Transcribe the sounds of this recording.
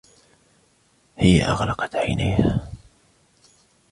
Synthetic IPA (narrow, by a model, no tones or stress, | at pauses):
hɪjːa̰ʔɑɣlɑqɑ̥t̪ʕajna̰jha